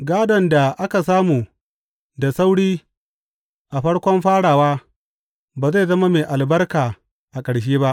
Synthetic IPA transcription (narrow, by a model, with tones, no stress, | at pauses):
ɡaː˦dɐ˨nda˨ʔa˦ka˨saː˦muː˨ | da˨sa˦wɽiː˦ | ʔa˨ɸɐ˦ɽkʷɔ˦mɸaː˦ɽaː˨waː˦ | baː˨ze˦˨zɐ˦ma˦meː˨ʔa˨lbɐ˦rkaː˨ | ʔa˨kʼɐ˨ɽʃ̬eː˦ba˦ʔ